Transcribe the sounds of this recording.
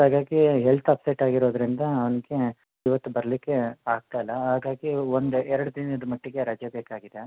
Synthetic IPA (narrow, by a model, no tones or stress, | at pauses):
ɦaːɡaːɡiɦelt̪ʰɐpsejʈaːɡiɾo̞ːd̪ɾind̪ɐɐʋɐniɡe̞ | iʋɐt̪ːubɐɾɐlikːe̞aːɡ̚t̪ailːɐɦaːɡaːɡiond̪uɛɾɐɽud̪inɐd̪umɐʈːiɡe̞ɾɐd͡ʒjɐbeːkaːɡid̪e